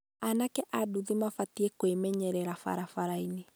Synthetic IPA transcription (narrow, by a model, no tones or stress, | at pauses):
anakɛʔaduðimafatiekwemɛɲɛɾɛɾafa̰ɾafaɾaini